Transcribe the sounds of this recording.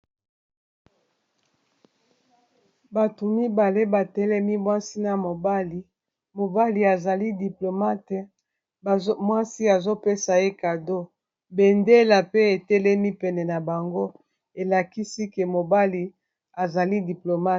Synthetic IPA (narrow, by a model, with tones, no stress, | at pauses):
ba˨to˨mi˦ba˨le˦ba˨tɛ˦lɛ˦mi˦mwa˦si˦na˨mo˨ba˦li˨ | mo˨ba˦li˨a˨za˨li˦di˨plo˨ma˦t | mwa˦si˦a˨zo˦pe˦sa˨e˦ka˨do˦ | be˨nde˦la˨pe˦e˨tɛ˦lɛ˦mi˦pɛ˨nɛ˨na˨ba˨ŋɡo˦ | e˨la˨ki˦si˦ke˨mo˨ba˦li˨ | a˨za˨li˦di˨plo˨ma˦